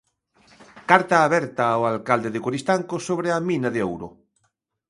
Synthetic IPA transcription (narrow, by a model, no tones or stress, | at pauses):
kaɾt̪aːβɛɾt̪aoalkald̪eðɪkoɾist̪aŋkosoβɾeaminaðeowɾʊ̰